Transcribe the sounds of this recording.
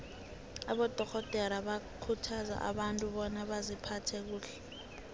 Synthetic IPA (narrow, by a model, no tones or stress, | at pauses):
a̰ɓɔd̥ʱɔxɔd̥ʱɛɾaɓakʰutʰaza̰ʔa̰ɓantʼuɓɔnaɓazipʰatʰɛk̬uːɬɛ̥